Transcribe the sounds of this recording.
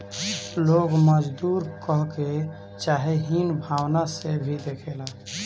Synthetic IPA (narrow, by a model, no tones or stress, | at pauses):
loːɡməd͡ʒd̪uːɾkəɦke | t͡ʃaːɦeɦinbʱaːwnasebʱid̪ekʰela